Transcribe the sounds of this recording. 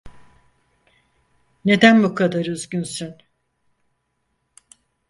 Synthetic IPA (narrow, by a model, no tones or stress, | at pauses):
ne̞d̪ænbukʰad̪aɾyzɟynsyn